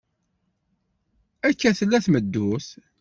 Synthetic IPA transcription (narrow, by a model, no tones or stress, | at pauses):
ækːæθəlːæθməd̪ːʊθ